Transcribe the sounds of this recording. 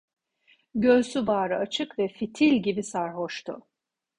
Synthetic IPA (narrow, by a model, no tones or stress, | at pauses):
ɟøsyvaːɾɯat͡ʃʰɯkvɛfit̪ʰilʲɟibisaɾɦoʃt̪ʰʊ̰